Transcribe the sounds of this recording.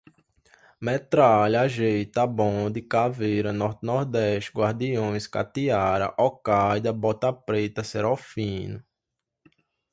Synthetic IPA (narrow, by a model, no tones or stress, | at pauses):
mɛt̪ɾaʎaʒejt̪abõd̪ɪkavejɾɐnɔɾt̪nɔɾd̪ɛʃt̪ɡwaɾd̪iõj̃ska̰t̪iaɾɐ̰ʔɔkajd̪ɐbɔt̪ɐpɾet̪ɐseɾofĩnʊ